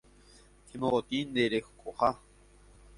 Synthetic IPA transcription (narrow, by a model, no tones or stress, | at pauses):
t̪ʰimoot̪ind̪eɾexkʼoχa